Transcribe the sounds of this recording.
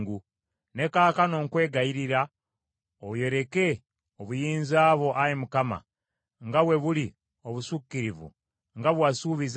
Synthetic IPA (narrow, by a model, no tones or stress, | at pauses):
ɡu | ne̞kaːkano̞ːŋkwe̞ːɡaiɾiɾa | oβje̞ɾe̞ke̞ | oβujiːnzaːβo̞ʔajemukama̰ | ŋɡaβwe̞βuli | o̞βusukːiɾivṵ | ŋɡaβwasuːβiz